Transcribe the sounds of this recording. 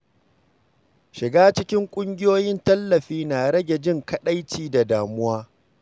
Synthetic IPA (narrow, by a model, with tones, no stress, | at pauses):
ʃɪ˨ɡaː˦t͡ʃɪ˦kʲɪ˦ŋkʷʼʊ˦ŋɡʲɪ˦joː˦jɪ˦ntɐ˦lːɐ˨ɸiː˦naː˨ɽɐ˦ɡʲe˨d͡ʒɪ˦ŋkɐ˦ɗa˦jt͡ʃiː˦˨da˨daː˨mʊ˦waː˦